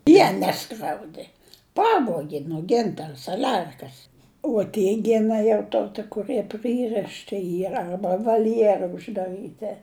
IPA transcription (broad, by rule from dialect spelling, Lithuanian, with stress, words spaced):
ˈjiɛ ˈnʲæːskrʲɛʊdʲeː ˈpɑːʋuɔɡʲɪ nuɔ ˈɡʲɪntɐrɐ sɐˈlʲɛrkɐs uɔ ˈtʲiɛ ˈɡʲɪnɐ jɛʊ ˈtoː tʲɪ kʊˈrɨɛ ˈprɨrɨʃʲtʲɪ ˈiːrɐ ˈɐrbɐ ʋɐlʲˈjeːrɐ ʊʒdɐˈrɨtʲɪ